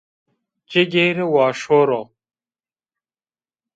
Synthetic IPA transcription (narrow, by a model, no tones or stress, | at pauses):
t͡ɕeɡeːɾewaːʂoːɾo